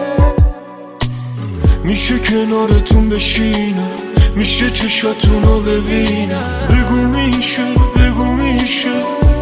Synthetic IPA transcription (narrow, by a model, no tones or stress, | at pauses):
miʃecʰenɔɾet̪ʰumbeʃinɔmiʃet͡ʃʰeʃɔt̪ʰunɔbevina | beɡumiʃebeɡumiʃe